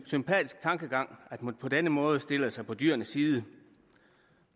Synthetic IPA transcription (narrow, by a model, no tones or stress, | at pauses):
sympʰɛ̰ːd̥isɡ̥̚t͡sʰɑ̈ŋɡ̥əɡ̥ɑ̈ŋ̰æd̥mpʰɒ̽d̥enəmɔ̽ːð̞̩ˠəsd̥e̝ləsɑ̈ɪpʰɒ̽d̥y̰ɐnəsːiːð̞ˠə